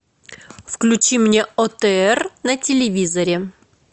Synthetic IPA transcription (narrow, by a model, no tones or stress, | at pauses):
fklʲʉt͡ɕimnʲeot̪ɛɛrnətʲɪlʲɪvʲizɐɾʲɪ